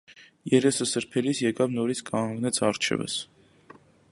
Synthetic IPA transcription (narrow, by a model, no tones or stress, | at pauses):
jɛɾɛsəsəɾpʰɛlisjɛkɑvnɔɾit͡sʰkɑŋɡnɛt͡sʰɑrt͡ʃʰɛ̰və̰s